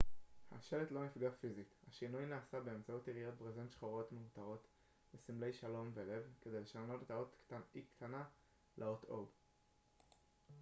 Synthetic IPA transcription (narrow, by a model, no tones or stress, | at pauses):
ha̰ʃe̞let̪lo̞nifɡafizithaʃinujnaːsabeemt͡sautiʁijot̪̚bʁezenʃχoʁo̞tmeutaʁo̞t̪ | besimle̞jʃalo̞mve̞le̞vke̞d̪e̞jle̞ʃalno̞tet̪aot̪ktanikt̪ʰana | lʔeotʰob